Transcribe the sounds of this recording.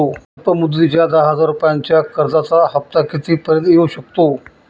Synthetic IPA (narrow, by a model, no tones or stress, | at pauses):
opəmud̪ːit͡ɕjad̪əɦəd͡zaɾupjãɲt͡ɕjakəɾd͡zat͡saɦəft̪akit̪iːpəɾjət̪jeuɕək̚t̪o